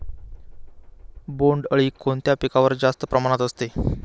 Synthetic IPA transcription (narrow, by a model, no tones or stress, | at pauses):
boɳɖəɭiːkont̪japikaʋəɾd͡zast̪əpɾəmaɽ̃at̪əst̪e